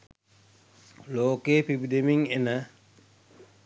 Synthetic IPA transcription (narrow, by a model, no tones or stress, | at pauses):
loːkeːpibidemiŋenə